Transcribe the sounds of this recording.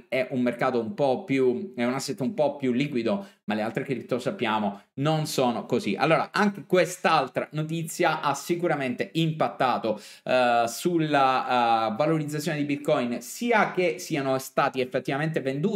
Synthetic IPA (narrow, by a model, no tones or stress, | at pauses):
ɛʔumːerkaːt̪oumpɔpːjuɛunasːɛt̪ːoumpɔpːjulːiːkwid̪omalealt̪ɾekepit̪ːosapːjaːmononsoːnokozḭʔa̰lːoːɾa̰ʔaŋk̟ekwest̪alt̪ɾanot̪̬it̪sːjaʔasikuɾament̪eʔimpat̪ːaːt̪o | sulavaloɾid̪zat̪sːjoːned̪ibit̪kɔjnsiːakesiːanost̪aːt̪iefːet̪ːivament̪evend̪uː